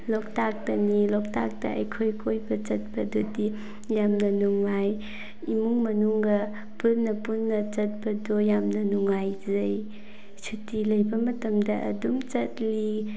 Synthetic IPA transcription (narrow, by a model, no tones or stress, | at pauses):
lɔk̚tak̚tɐnilɔk̚ta̰k̚tɐ̰ʔɐ̰jkʰojkʰojbɐt͡ʃɐt̚bɐdodi | jamnɐnuŋːaj | imuŋmɐnuŋɡɐ | punːɐpunːɐt͡ʃɐt̚bɐdojamnɐnuŋajzɐj | sʰitilɐjbɐmɐtɐmdɐʔɐ̰dumt͡ʃɐt̚li